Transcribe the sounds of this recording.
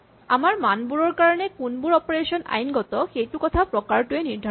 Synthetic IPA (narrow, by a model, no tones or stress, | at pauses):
amaɾmanbuɾoɾkaɾɔnekunbuɾɔpoɾeʃonʔa̰jnɡɔt̪oxejʈukɔt̪ʰapɾokaɾʈueniɾd̪ʱa